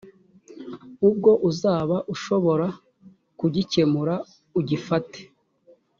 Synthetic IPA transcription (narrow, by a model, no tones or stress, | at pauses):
ub̚ɡo̞ʔuzaːβaʔuʃo̞βo̞ɾa | kuɟice̞muɾa | uɟifate̥